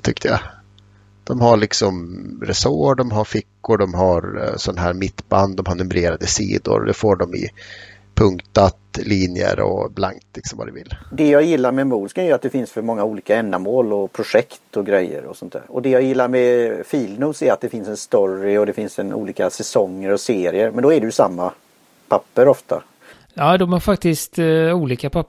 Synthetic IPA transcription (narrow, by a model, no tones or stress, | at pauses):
t̪ʰʏkt̪əja̰ | d̪̥ɔmhaɭɪksɔmɾɛsoɖɔmɦaɾfɪkːʊɖɔmɦaɾsɔnaɦæːɾmɪt̪ːband̪ːɔmhaɳnɵmɾeːɾad̪əsḭːd̪ʊ̰ɾd̪ɛfoːɖɔmɪ̰ | pʰɵŋkt̪at̪liːnjə̰ɾɔ̰blaŋt̪lɪksɔmva̰ɾɛvɪlːd̪ɛjaːjɪlːaɾmɛmuːlskanæjəɾat̪̚d̪ɛfɪnsfœɾmɔŋːauːliːkaɛnːamoːlɔpʰɾʊʂɛkt̪ɔɡɾɛjːə̰ɾɔ̰sɔnt̪d̪æ̰ːɾɔd̪ɛjaːɡjɪlːaɾmɛfiːlnʉːsɛɾat̪̚d̪ɛfɪnsɛnst̪ɔɾɪɔd̪ɛfɪnsɛnṵːliːkasɛsɔŋːəɾɔseːɾɪəɾmɛnd̪ɔæɖɛjʉsamːa | pʰapːəɾɔft̪ʰa̰ | jɑːd̪ɔmæɾfak̚t̪ɪst̪uːliːkapʰa